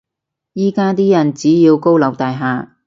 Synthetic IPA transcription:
jiː˥kaː˥t̪iː˥jɐ˨˩nt͡siː˨˥jiː˧wko˥wlɐ˨˧wt̪aː˨˧jɦaː˨˧

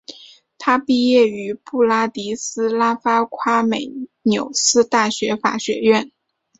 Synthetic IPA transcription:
t̪ʰa˥pi˥˧jɛ˥˩y˧˥pu˥˩la˥t̪i˧˥sɹ̩˥la˥fa˥kʰwa˥me˨˩ɪnjo˨˩ʊsɹ̩˥t̪a˥˩ɕɥɛ˧˥fa̰˨˩ɕɥɛ˧˥ɥɛ˥˩n

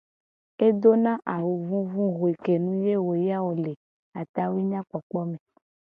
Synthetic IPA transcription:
e˦d̪o˦nã˦ʔa˨wo˨vũ˦vũ˦ɦo˨i˨ke˨nũ˦je˦wo˨ja˦wo˨le˨ | a˨t̪a˦wi˦ɲã˦k͡pɔ˨k͡pɔ˦mẽ˨

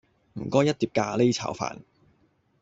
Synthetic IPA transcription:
m̩˨˩kɔː˥jɐ˥t̪̚ːiː˧p̚kaː˧le˥jt͡sʰa̰ː˨˥wfa̰ː˨˩n

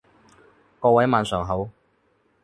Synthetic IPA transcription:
kɔː˧wɐ˨˥jmaː˨˧nsœː˨˩ŋɦɐ˨˥w

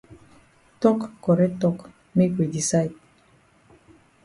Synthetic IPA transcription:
tɔ˦kːɔ˨ɾɛ˦tɔ˦k | me˦kwe˨di˨sa˦jt̚

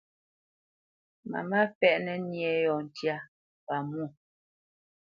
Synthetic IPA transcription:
ma̰˨ma˦fɛ˦˨ʔnɛ˨njɛ˨˦jɔ˨n̩˨tja˦ | pa˨mu˦˨

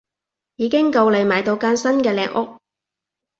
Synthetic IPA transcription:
jiː˨˧kɪ˥ŋkɐ˧wle˨˧jmaː˨˩jt̪o˧wkaː˧˥nsɐ˥nkɛː˧lɛː˨˧ŋʔʊ˥k̚

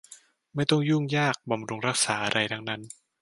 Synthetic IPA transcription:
ma˥˩jt̪ɔ˥˩ŋjuː˥˩ŋjaː˥˩k̚bɔ˧mɾu˧ŋɾa˦˥k̚saː˩˦ʔa˧ɾʔa˧jt̪ʰa˦˥ŋna˦˥n

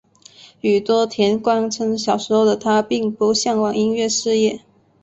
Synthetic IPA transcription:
y˨˩t̪wɔ˥t̪ʰjɛ˧˥nkwɑ˥ŋt͡sʰɤ˧˥ŋɕjɑ˨˩ʊʂɻ̩˧˥xo˥˩ʊd̪ə˩t̪ʰa˥pi˥˧ŋpu˧˥ɕjɑ˥˩ŋwɑ˨˩ŋi˥ŋɥɛ˥˧ʂɻ̩˥˧jɛ˥˩

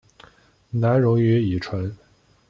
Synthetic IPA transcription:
na˧˥nɻʊ˧˥ŋy˧˥i˨˩ʈ͡ʂʰwə˧˥n

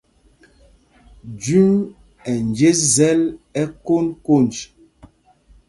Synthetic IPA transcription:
d͡ʒʉ˦ŋ | ɛ˨n˨d͡ʒe˦zɛ˦lɛ˦ko˦nko˦˨nd͡ʒ

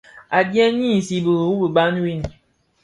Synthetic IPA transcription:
a˨djɛ˦ɲiː˦˨si˨bə˨u˦bə˨ba˦n˦wi˦n˨

